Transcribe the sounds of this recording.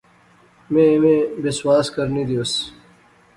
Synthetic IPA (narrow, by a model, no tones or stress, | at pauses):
mẽmẽːbɪswaːskəɾniːd̪ioːs